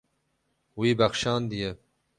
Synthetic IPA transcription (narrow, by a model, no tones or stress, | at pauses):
wiːbɐxʃɑːnd̪ije